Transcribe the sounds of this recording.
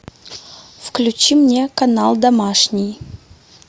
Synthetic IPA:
fklʲʉt͡ɕimnʲekɐnalˠd̪ɐmaʂnʲɪj

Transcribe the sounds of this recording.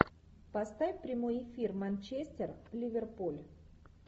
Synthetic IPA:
pɐst̪avʲɪpɾʲɪmo̞jɪfʲirmanʲt͡ɕesʲt̪ʲɪrvlʲɪvʲerpulʲ

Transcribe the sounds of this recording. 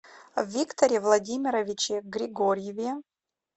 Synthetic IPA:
vːʲikt̪ʰoɾʲevlˠadʲimʲiɾɐvʲit͡ʃʰeɡɾʲiɡoɾʲjevʲe

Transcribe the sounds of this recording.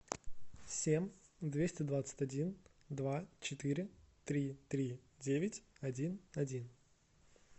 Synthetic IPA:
sʲemʲd̪vʲesʲtʲɪd̪vat̪sɨ̥tʲɐdʲin | d̪vat͡ɕɪt̪ɨɾʲɪt̪ɾʲit̪ɾʲidʲevʲɪtʲɐdʲinɐdʲin

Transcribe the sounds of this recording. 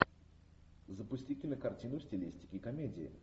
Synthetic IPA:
zəpʊsʲtʲitʲɪlʲnəkɐrtʲinʊsʲtʲɪlʲisʲtʲɪ̥kʲɪkɐmʲedʲɪɪ̰

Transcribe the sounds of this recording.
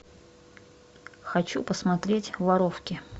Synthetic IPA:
xɐt͡ɕupəsmɐt̪ɾʲetʲvɐɾofkʲɪ

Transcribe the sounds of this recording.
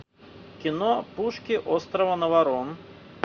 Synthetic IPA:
kʲinɔpuʂkʲiʔɔst̪ɾɐvɐnɐvaɾɔn

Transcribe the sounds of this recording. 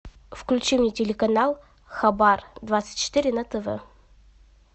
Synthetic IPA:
fklʲʉt͡ɕimnʲɪtʲɪlʲɪkɐnalˠ | xɐbard̪vat̪sɨ̥tʲt͡ɕːɪ̥t̪ɨɾʲɪnɐt̪əvɛ̰

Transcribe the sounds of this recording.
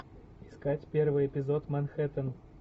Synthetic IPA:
ɪskatʲpʲervɨjɪpʲɪzot̪mɐnxɛt̪ən

